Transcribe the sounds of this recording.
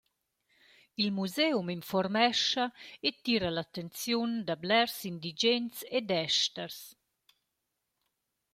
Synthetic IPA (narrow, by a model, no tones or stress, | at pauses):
ilmuzewminfɔɾmɛʃaet̪iːɾalat̪ent͡sjund̪ablɛɾsind̪id͡ʒɛnt͡sed̪ɛʃt̪əɾs